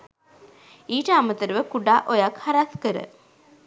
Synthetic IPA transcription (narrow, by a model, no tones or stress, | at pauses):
iːʈəamət̪əɾəʋəkuɖaːʔojakhaɾaskəɾə̰